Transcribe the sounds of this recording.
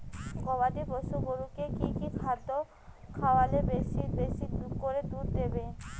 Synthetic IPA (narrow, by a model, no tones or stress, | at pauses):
ɡɔβad̪ibɔʃuboɾukekikikʰad̪ːo | kʰawalebesibesiukoɾed̪uɾd̪ebe